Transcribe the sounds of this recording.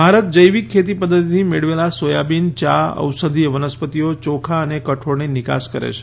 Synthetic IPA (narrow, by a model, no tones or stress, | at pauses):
bʱaɾət̪̚d͡ʒəjʋikʰːet̪ipəd̪ʱːət̪it̪ʰimeɭʋelasojabint͡ʃaə̰ʋsəd̪ʱieʋənəspət̪ijot͡ʃokʰaənekəʈʰoɽnenɪka̰skəɾḛt͡ʃʰe̥